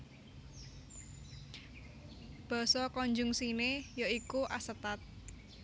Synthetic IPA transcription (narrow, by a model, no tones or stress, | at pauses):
b̥ɔ̤sɔkɔɲd͡ʒʊŋsinejoikuʔasət̪at̪̚